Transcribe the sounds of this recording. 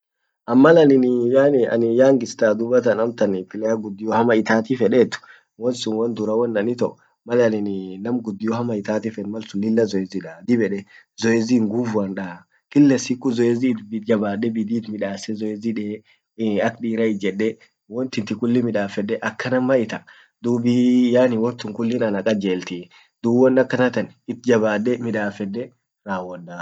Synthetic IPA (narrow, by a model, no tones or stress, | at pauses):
ʔɐmːɐlɐnɪnɪjaːnɪɐ̰nɪjaːŋɡɪst̪aːd̪ʊbɐt̪ɐnɐmt̪ɐnfɪlɛjaɡʊd̪ːɪjɔhɐmɐɪt̪aːt̪ifɛᶑet̪ʊ̥ | wɔnsʊnwɐnd̪ʊɾɐwɔnːɐnɪt̪ɔʔ | mɐlɐnɪnɪnɐmɡʊd̪ːɪjɔhɐmɐɪt̪aːt̪ifɛnmɐlsʊnɪlːɐzɔɛziᶑad̪ɪbɛᶑɛ | zɔɛziŋɡufʊɐnᶑa | kɪlːɛsikːʊzɔɛziːbɪd͡ʒɐbaːdːɛbɪd̪iːt̪mɪᶑaːsɛzɔɛziᶑeː | ɐkɗiːɾɐɪd͡ʒɛᶑːɛ | wɔnt̪ɪnt̪ɪkʊlːɪmɪᶑaːfɛdːɛʔɐkːɐnɐmːɐɪt̪ɐ | d̪uːbijaːnɪwɔnt̪ʊŋkʊlːɪnɐnɐkʼɐd͡ʒeːlt̪i | d̪̥uːbwɔnːɐkːɐnɐt̪ɐnɪt̪̚d͡ʒɐβaːdːɛmɪᶑaːfɛdːɛ | ɾaːwɔdaː